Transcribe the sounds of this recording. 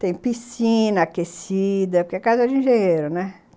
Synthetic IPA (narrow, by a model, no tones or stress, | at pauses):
t̪ẽj̃pisĩnɐakesid̪ɐpoɾkeakazɐd͡ʒɪĩʒẽɲeɾʊnɛ